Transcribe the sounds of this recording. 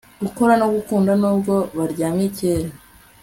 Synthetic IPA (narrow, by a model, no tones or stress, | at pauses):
ɡ̥uko̞ɾanoɡukuːndanuːbɡo̞βaɾɟaːmiceːɾa